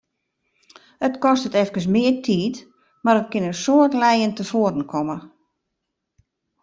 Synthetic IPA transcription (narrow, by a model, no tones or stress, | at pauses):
ətkɔstətɛfkəs̬mɪːərtʰiːt | maɾət̚kɪnənsoətlɛjəntəfoədn̩kʰɔmə